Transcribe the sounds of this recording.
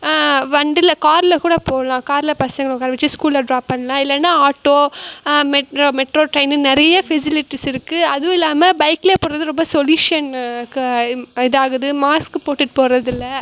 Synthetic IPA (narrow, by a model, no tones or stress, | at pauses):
ʋɐɳɖɪlɐkaːɾlɐkuːɽɐpoːɐlãːkaːɾlɐpɐsɐŋɡɐɭːkːaːɾɐʋɐt͡ʃːɯskuːlːɐɖɾaːpːɐɳːɐlãːɪlːɛnːaːaːʈːoːmɛʈɾoːmɛʈɾoːʈɾɐɪnɯnɪɾɐjɐfɪsɪlɪʈːisɪɾɯkːɯɐðʋʊ̃ɪlːaːmɐbɐɪkɪleːpoːɾɐðɯɾɔmbɐsɔljuːʂɪɐnkɪðaːɣɯðɯmaːskɯpoːʈːɯʈːɯpoːɾɐðɪlːɐ